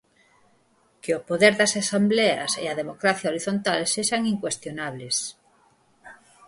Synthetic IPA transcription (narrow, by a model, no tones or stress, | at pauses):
keopoðeɾðɐsasambleɐ̰sḛɐðemokɾaθjaoɾiθont̪alseʃaŋiŋkwest̪jonaβles